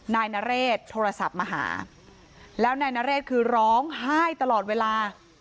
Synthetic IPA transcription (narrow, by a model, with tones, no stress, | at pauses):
naː˧jna˦˥ɾeː˥˩t̪ʰːoː˧ɾa˧sa˨˩p̚maː˧ɦa̰ː˩˦ | lɛː˦˥wnaː˧jna˦˥ɾeː˥˩t̪̚kʰɯː˧ɾɔː˦˥ŋɦaː˥˩jt̪a˧lɔː˨˩weː˧laː˧